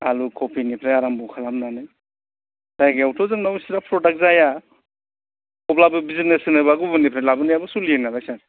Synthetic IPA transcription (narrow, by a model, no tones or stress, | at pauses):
a̰lukʰɔpʰinipʰɾajaɾambɔkʰalamnanɯj | z̥ajɡiawtʰɔzɯŋnawisiɾapʰɾɔdak̚zaja | ɔplabɯbizitnesɯŋnajβaɡubɯnipʰɾajlabɯnajabɯsulienaɾajsaɾ